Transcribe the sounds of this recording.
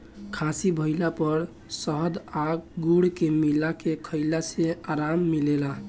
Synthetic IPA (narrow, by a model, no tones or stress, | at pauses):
kʰasibʱəɪlapəɾ | səɦd̪aɡɡuɽkemilakekʰəɪlaseaɾamːilela